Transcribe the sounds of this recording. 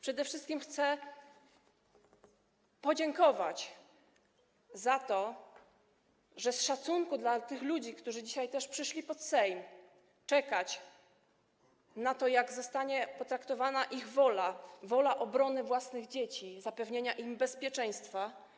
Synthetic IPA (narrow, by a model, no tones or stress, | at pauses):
pʂɛd̪ɛfʂɘst̪kʲimxt̪sɛ | pɔd͡ʑeŋkɔva̰t͡ɕ | zat̪ɔ | ʐɛsʂat̪suŋkud̪lat̪ɘxlud͡ʑikt̪uʐɘd͡ʑiɕajt̪ɛʂpʂɘʂlʲipɔt̪sɛjm | t͡ʂɛkat͡ɕ | nat̪ɔjaɡzɔst̪aɲɛpɔt̪ɾakt̪ɔvanaʔiɣvɔlavɔlaʔɔbɾɔnɘvwasnɘɣd͡ʑet͡ɕizapɛvɲeɲaʔimbɛspʲjɛt͡ʂɛj̃st̪fa